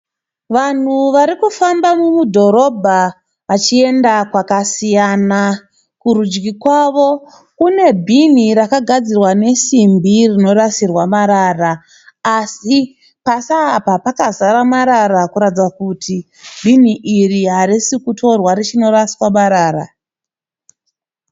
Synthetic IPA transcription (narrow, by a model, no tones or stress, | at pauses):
ʋan̤uʋaɾikufambamumudʱo̞ɾo̞bʱa | ʋat͡ʃie̞ndakwakasijana | kuɾud͡ʒɡikwaːʋo̞ | kune̞bʱiniɾakaɡʱad͡zirwane̞simbirino̞ɾasirwamaɾaraː | si | pasaːpapakazaɾamaɾarakuɾatid͡zakutʰi | bʱiniʔiriɦaɾisikutʰo̞rwaɾet͡ʃino̞raswamaɾaːɾa̰